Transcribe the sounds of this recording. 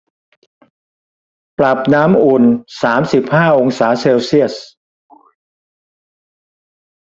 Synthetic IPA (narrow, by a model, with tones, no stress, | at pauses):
pla˨˩p̚naː˦˥mʔu˨˩nsaː˩˦msi˨˩p̚haː˥˩ʔo˧ŋsaː˩˦seː˧wsi˥˩əs̚